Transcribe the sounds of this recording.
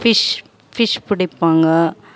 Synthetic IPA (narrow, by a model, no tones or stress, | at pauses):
fɪʂ | fɪʂpʊɽɪpːaːŋɡɐ